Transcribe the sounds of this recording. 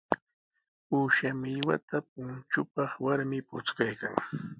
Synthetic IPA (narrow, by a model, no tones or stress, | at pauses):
uːʃamɪʎwa̰t̪ap̚ʊnt͡ʃʊpɑχwaɾmɪpʊt͡skajka̰ŋ